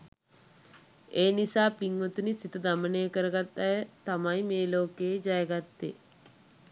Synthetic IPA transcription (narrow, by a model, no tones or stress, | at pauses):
eːnisaːpːiŋɡot̪unisit̪ɐd̪ɐmɐneːkɐɾɐɡɐt̪ːɐjɐt̪ɐmɐjmeːloːkeːd͡ʒɐjɐɡɐt̪ːe